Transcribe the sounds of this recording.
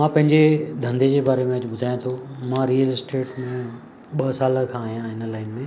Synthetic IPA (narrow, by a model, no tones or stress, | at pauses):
mãːpɐ̃ɦɪ̃ɲd͡ʑed̪ʱɐ̃nd̪ʱed͡ʑeːbaːɾemẽɐd͡ʑɓʊd̪ʱaːjõt̪ʰomãːɾijəlsʈeːʈmẽ | ɓɐsaːləkʰãːɦijãɦɪnəlaːɪnɪ̆mẽ